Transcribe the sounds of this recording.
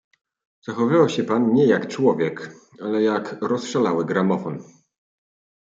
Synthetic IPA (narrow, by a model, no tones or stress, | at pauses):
z̥axɔvɘvawɕɛpanɲɛjakt͡ʂwɔvʲjɛk | alɛjakɾɔsʂalawɘɡɾamɔfɔn